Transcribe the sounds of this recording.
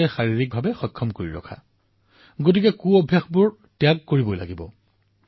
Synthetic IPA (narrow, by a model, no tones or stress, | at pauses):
ɛxaɹiɹik̚bʱabɛxɔjkʰːɔmkoɹḭɹɔ̰kʰa̰ | ɡot̬ikɛkuɔbʱjaxbʊɹ | tɛjakːoɹibojla̰ɡibɔ̰